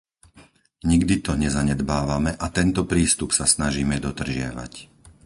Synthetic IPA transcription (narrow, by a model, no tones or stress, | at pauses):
ɲiɡd̪it̪ɔɲɛzaɲɛd̪baːʋamɛʔat̪ɛnt̪ɔpɾiːst̪upsasnaʒiːmɛd̪ɔd̪r̩ʒɪa̰ʋa̰c